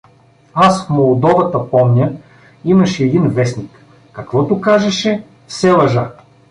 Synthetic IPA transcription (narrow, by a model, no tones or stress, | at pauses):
asfmolˠd̪ɔvɐt̪ɐpɔmnʲə | imɐʃɛːd̪invɛsnʲikː | ɐkvɔt̪ʊkaʒɛʃɛ | fsɛvɐʒa